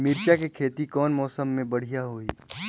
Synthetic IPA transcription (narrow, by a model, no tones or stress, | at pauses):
mɪɾt͡ʃakekʰeːt̪ikɔːnmɔːsəmːẽbɐɽ̤ijaɦoːiː